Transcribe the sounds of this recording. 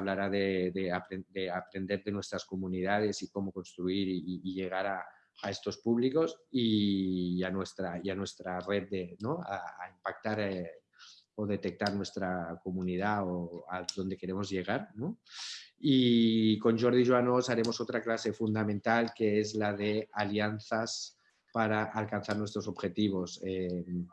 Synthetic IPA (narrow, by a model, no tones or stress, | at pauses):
aβlaɾaðeðeapɾed̪eapɾend̪e̞ɾðenwe̞st̪ɾaskomuniðað̞e̞siko̞moko̞nst̪ɾuiɾiːʎeɣ̞aɾa | ae̞st̪o̞spuβliko̞si | anwest̪ɾaianwest̪ɾared̪̚d̪enoa̰ːimpak̚t̪aɾ | oðet̪ek̚t̪aɾnwe̞st̪ɾakomunið̞aoaðo̞nd̪e̞ke̞ɾemo̞zʎe̞ɣ̞aɾno | iko̞nʒo̞ɾð̞iʒwanosaɾe̞mosot̪ɾaklase̞fund̪amẽnt̪alkeezlaðe̞aljanθas | paɾaʔalkanθaɾnwest̪ɾo̞so̞bxe̞t̪iβ̞o̞sem